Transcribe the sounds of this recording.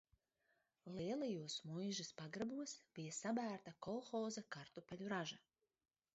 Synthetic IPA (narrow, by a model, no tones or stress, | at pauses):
lˠiɛlˠajuɔsmujʒɨspaɡɾabuɔsb̥ijasabæːɾt̪akɔlˠxɔːzakaɾt̪upɛlʲuɾaʒa